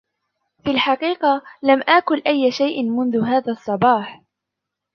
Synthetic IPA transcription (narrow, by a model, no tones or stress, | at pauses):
filħɑqiːqɑlamʔaːkʊlʔajːaʃajʔɪnmʊnðʊɦaːðaːsˤːɑbɑːħ